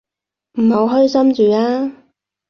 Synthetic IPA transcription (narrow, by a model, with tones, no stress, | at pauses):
m̩˨˩ho˨˧wɦœː˥jsɐ˥mt͡ʃyː˨aː˥